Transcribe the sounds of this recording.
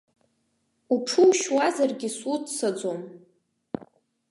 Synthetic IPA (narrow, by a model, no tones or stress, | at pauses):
uʈ͡ʂʰɨwʃwazarɡʲɪsutʰsad͡zom